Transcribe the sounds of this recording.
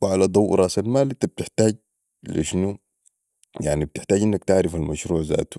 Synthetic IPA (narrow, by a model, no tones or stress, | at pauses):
wʕalad̪ˤɑwːɾˤɑːsalmaːlit̪ɑb̚t̪ɪħt̪aːɟ | lḭʃnu | jaʕnib̚t̪ɪħt̪aːɟʔɪnːakt̪aʕɾɪfalmaʃɾuːʕza̰ːt̪u̥